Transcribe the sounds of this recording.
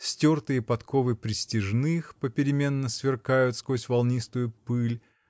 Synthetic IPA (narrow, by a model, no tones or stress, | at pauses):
sʲtʲort̪ɨjəpɐt̪kovɨpɾʲɪsʲtʲɪʐnɨxpəpʲɪɾʲɪmʲe̞nːəsvʲɪrkajʊt̪skosʲvalˠnʲist̪ʊjʊpɨlʲ